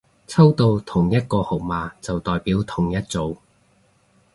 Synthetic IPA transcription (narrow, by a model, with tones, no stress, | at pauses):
t͡sʰɐ˥wt̪o˧wt̪ʰʊ˨˩ŋjɐ˥t̚kɔː˧ho˨˩k̚maː˨˧t͡sɐ˨wt̪ɔː˨jpiː˨˥wt̪ʰʊ˨˩ŋjɐ˥t̚t͡so˨˧w